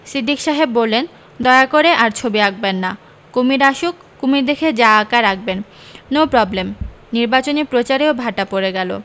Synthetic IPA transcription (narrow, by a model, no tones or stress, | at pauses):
sɾid̪ʱːikʃaɦebːolːen | d̪ɔeakoɾeʔaɾt͡ɕʰobiak̚benːa | kumiɾaʃukːumiɾd̪ekʰed͡ʑaakaɾak̚ʰben | nopɾɔblemniɾbat͡ɕonipɾot͡ɕaɾeobʱaʈapoɾeɡɛlo̰